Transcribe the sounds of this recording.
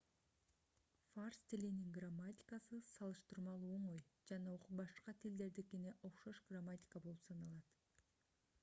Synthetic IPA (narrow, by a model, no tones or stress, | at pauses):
farst̪iliniŋɡramːatʲi̥kasɯsɑlˠɯʃt̪ɯɾmɑlˠuo̞ɴo̞jd͡ʒɑnɑoqubɑʃqɑt̪ʰild̪e̞ɾd̪iekeneʔo̞qʃoʃɡramatʲi̥kabo̞lˠupsɑnɑlˠɑt̪